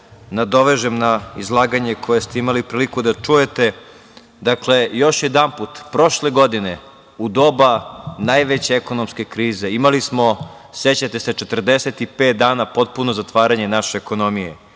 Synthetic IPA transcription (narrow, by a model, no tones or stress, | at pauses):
nad̪o̞ʋe̞ʒemnaizlˠaːɡaɲe̞kʰo̞jest̪e̞imalipɾiːlikud̪at͡ʂuje̞t̪e̞ | d̪akle̞jo̞ʃjed̪ampuːt̪pɾo̞ʃle̞ɡo̞d̪ine̞ | ud̪o̞banajʋet͡ɕeeko̞nomske̞kɾiːze̞imalismo̞ | set͡ɕat̪ese̞t͡ʃet̪r̩d̪eset̪ipeːt̪̚d̪aːnapo̞t̪̚puno̞zat̪ʋaːɾaɲe̞naʃeːko̞no̞mijḛ